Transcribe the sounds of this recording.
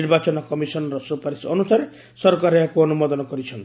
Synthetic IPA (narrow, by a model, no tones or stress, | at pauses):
iɾbat͡ʃɔnɔkɔmisɔnɔɾɔsupaɾisɔnusaɾe | sɔɾkaɾɔjakuɔnumɔd̪ɔnɔkɔɾit͡ʃʰɔnt̪